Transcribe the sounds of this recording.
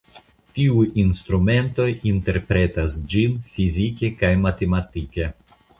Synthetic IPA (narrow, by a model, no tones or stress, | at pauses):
tiujinst̪ɾume̞nto̞jinte̞ɾpɾe̞tasd͡ʒinfizike̞kajmate̞matike̞